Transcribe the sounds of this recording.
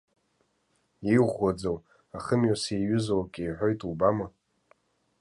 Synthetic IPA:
iʁwad͡zow | aχəmɥaseɥʊzowakʼejħʷo̞jtʼubama

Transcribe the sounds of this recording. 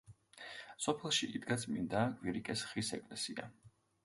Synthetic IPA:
sɔpʰɛlˠʃiʔid̪ɡat̪sʰmind̪aːkʼviɾikʼɛsχisɛ̰kʼlɛsia̰

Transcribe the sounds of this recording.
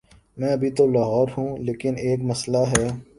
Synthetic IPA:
mɛ̃ːɐbʱit̪olɔːɦɔːɾɦũːleːkɪneːkmɐslaɦɛː

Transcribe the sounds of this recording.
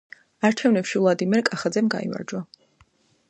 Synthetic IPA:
aɾt͡ʃʰɛvnɛpʃivlˠad̪imɛɾkʼaχad̪zɛmɡa̰ḭma̰ɾd͡ʒwa

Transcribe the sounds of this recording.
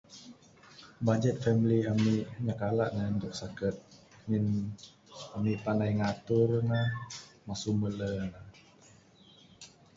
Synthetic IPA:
bad͡ʒɛt̪̚fɛmliamiʔɲakalaʔnandɔksakət̪̚ | ŋin | amiʔpanajŋat̪urŋamasumələna

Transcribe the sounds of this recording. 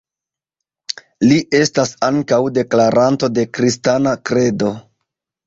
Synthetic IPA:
liʔe̞stasaŋkawde̞klaɾanto̞de̞kɾistanakɾe̞do̞

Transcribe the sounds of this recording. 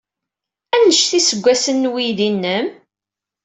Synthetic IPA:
ænəʃθisəɡʷːæsənːwiðinːəm

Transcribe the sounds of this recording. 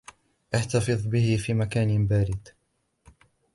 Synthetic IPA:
ʔaħt̪ɑfɨðˤbɪhɪfiːmakaːnbaːɾɪd̪

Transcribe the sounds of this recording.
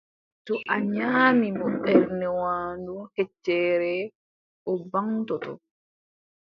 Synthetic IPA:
tɔʔaɲaːmimɔɓɛɾnɛwaːnduhɛt͡ʃːɛːɾɛ | ʔɔbaŋtɔtɔ̰

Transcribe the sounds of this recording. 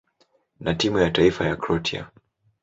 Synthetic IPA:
natimujataifajakɾɔtʰia̰

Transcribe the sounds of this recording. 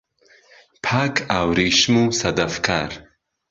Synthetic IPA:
pʰaːkʰawɾiʃmusad̪afkʰa̰ɾ

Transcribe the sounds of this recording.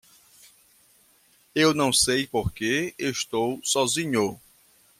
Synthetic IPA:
ewnɐ̃w̃sejpoɾkeeʃt̪owsɔzĩɲo

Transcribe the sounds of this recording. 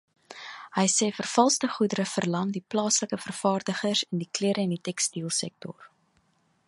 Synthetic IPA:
ɦəjsɛːfərfɐlˠstəχudəɾəfərlɐmdiplɑːsləkəfərfɑːrdəχərsəndikliəɾəɛnditɛkstiəlˠsɛk̚tɔ̰r

